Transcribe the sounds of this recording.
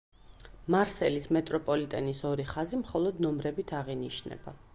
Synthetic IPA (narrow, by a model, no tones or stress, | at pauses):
maɾsɛlismɛt̪ʼɾɔpʼɔlit̪ʼɛnisɔɾiχazimχɔlˠɔd̪nɔmɾɛbit̪ʰaʁiniʃnɛ̰b̥a̰